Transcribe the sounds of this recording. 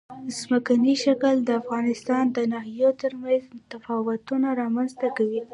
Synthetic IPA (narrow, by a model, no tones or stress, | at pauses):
zməkaniʃakəld̪əafɣɑnɪst̪ɑnd̪ənɑɦijot̪əɾmanzmt̪afɑwʊt̪unaɾɑmanzt̪akawi